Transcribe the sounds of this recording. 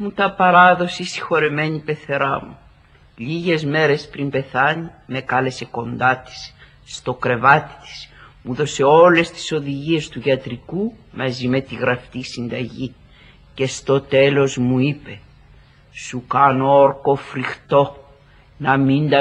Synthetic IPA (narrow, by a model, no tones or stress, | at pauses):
mut̪ɐpɐɾɐðo̞sisi̥xo̞ɾeme̞ɲipe̞θe̞ɾɐmu | ʎiʝe̞zme̞ɾe̞spɾimbe̞θɐɲime̞kɐle̞se̞ko̞nd̪ɐt̪i̥s | st̪o̞kɾe̞vɐt̪i̥t̪i̥smuðo̞se̞o̞le̞st̪i̥so̞ðiʝie̞st̪uʝɐt̪ɾikumɐzime̞t̪iɣɾɐft̪isind̪ɐʝi | ce̞st̪o̞t̪e̞lo̞zmuipe̞ | sukɐnooɾko̞fɾixt̪o̞ | nɐmind̪ɐ